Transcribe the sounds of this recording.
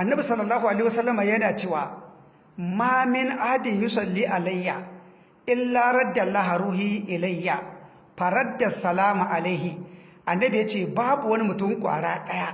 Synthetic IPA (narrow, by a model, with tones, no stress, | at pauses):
ʔa˨nːɐ˦bi˨sɐ˦lːɐ˨lːaː˦ɦu˨ʔa˨ɐ˦˨a˨sɐ˦lːɐ˦ma˨jɐ˦naː˨t͡ʃeː˦˨wa̰ː˨ | maː˦mɪ˦nʔa˦hdi˨ju˦sɐ˨lːiː˦ʔa˨la˦jːa˨ | ʔɪ˦lːa˦ɾɐ˦dːɐ˨lːa˦ɦa˨ɾuː˦ɦi˦ʔɪ˨la˦jːa˨ | ɸa˨ɾɐ˦dːɐ˨sːɐ˨laː˦mu˨ʔa˨la˦ɦi˨ | ʔa˨nːɐ˦bi˨ja˦t͡ʃeː˦˨baː˦bu˨wɐ˦ni˦mʊ˨tʊ˦ŋkʷʼa̰ː˨ɽaː˦ɗɐ˦ja˦